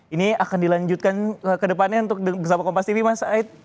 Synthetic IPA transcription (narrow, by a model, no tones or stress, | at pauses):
iniakandilaɲd͡ʒut̪̚kanəkədəpanɲaunt̪ʊk̚dəbərsamakompast̪ifimasaɪt̪̚